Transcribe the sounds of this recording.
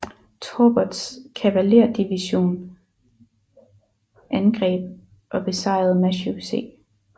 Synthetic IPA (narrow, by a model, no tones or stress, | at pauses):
t͡sʰoːb̥ɒd̥skʰæʋæle̝ɐ̰d̥iʋiɕo̝̰ːn | ʔænɡ̥ʁɛ̰ːb̥̚ | ʔɒ̽b̥e̝sɑ̈ɪ̰ð̩ˠmæɕuse̝̰ː